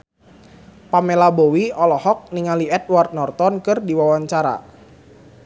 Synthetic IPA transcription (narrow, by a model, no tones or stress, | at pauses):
pamelabowiɔlɔhɔk̚niŋaliɛt̪̚wart̪̚nɔrt̪ɔnkɨrdiwawaɲt͡ʃaɾa̰